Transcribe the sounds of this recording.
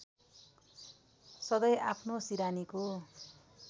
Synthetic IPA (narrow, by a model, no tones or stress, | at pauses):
sʌd̪ʌjapʰnosiɾaniko